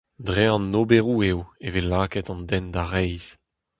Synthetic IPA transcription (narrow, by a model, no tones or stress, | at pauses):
dʁeɑ̃nːobeʁuewevelaːkɛt̪ɑ̃ndɛnd̪aʁɛjz̥